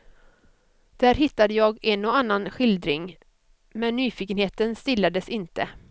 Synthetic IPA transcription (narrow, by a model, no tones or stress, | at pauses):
d̪̥æːɾɦɪt̪ːad̪əjɑːɡɛnːɔanːanɧɪld̪ɾɪ̰ŋ | mɛnːyːfiːkənheːt̪ənst̪ɪlːad̪əsɪnt̪ə